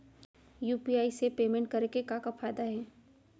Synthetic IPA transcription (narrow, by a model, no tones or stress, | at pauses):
juːpiaːisepeːmɛ̃ɳʈ̚kɐɾekekakafaːjd̪aɦɛː